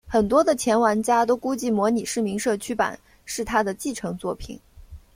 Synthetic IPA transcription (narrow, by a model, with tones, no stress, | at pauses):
xə˨˩nt̪wɔ˥d̪ə˨t͡ɕʰjɛ˧˥nwa˧˥nt͡ɕja˥t̪o˥ʊku˥t͡ɕi˥˩mwɔ˧˥ni˨˩ʂɻ̩˥˩mi˧˥ŋʂɤ˥˩t͡ɕʰy˥pa̰˨˩˦n | ʂɻ̩˥˩t̪ʰa˥d̪ə˨t͡ɕi˥˩ʈ͡ʂʰɤ˧˥ŋt͡swɔ˥˩pʰḭ˨˩˦n